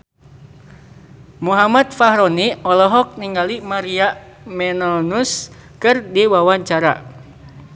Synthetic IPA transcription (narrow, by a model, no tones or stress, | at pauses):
muɦamat̪̚faɦɾɔniɔlɔɦɔk̚niŋɡalimaɾiamɛnɔnus | kɨrdiwawaɲt͡ʃaɾa̰